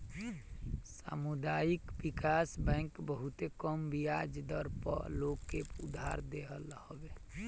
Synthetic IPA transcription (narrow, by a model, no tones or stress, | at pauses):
sa̰mud̪aikbikasbɛ̃ɪŋkbəɦut̪ekəmbʱiad͡ʒd̪əɾpə̰loɡkeud̪ʱːa̰ɾd̪eɦəlɦəbe